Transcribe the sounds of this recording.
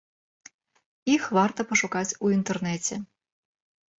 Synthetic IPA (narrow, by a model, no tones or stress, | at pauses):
ixvart̪ɐpɐʂukat͡sʲuint̪ɛrnɛt͡sʲɛ